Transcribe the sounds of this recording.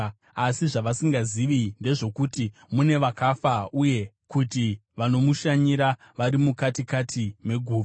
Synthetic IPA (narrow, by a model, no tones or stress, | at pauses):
asiʐaʋasiŋɡaziʋinde̞ʐo̞kuti | mune̞ʋakafauje̞ | kutiʋano̞muʃaɲiɾa | ʋaɾimukatikatʰime̞ɡʱuː